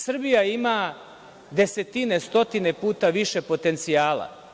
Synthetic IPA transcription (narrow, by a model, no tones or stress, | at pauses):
sr̩bijaima | d̪e̞se̞t̪inest̪o̞t̪ine̞puːt̪aʋiʃe̞po̞t̪e̞nt̪sijaːla̰